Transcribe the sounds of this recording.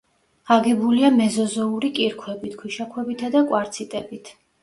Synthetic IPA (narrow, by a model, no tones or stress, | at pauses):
aɡɛbuliamɛzɔzɔuɾikʼiɾkʰwɛbit̪ʰkʰwiʃakʰwɛbit̪ʰad̪akʼwaɾt̪sʰit̪ʼɛbit̪ʰ